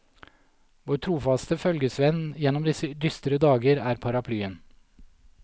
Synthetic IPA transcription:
ʋoːɾʈʰɾuːfɑst̪əfœlɡəsʋɛnjɛnːɔmd̪ɪsəd̪ʏst̪ɾəd̪ɑːɡəɾæːɾpʰɑɾɑpʰlyːən

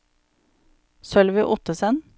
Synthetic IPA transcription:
sœlʋiːʔʊt̪əsɛn

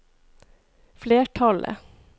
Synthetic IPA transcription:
fleːʈʰɑlə̰

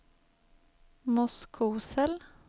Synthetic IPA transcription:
mɔskʰuːsɛl

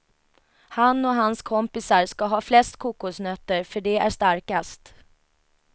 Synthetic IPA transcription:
hanːɔɦanskʰɔmpɪsaɾʂkaɦɑːflɛst̪kʰuːkʊsnœt̪ːəɾfœɖɛæ̰ʂt̪aɾkast̪

